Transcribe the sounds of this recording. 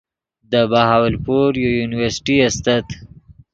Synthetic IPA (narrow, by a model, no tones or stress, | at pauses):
d̪əbahawalpoɾjojunɪwəɾsʈiast̪at̪